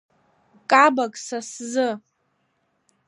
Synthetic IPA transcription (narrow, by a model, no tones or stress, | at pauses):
kʼabakʼsaszɨ